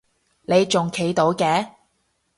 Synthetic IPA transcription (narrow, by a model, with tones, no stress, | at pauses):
ne˨˧jt͡ʃt͡sʊ˨ŋkʰe˨˥jt̪o˨˥wkɛː˧˥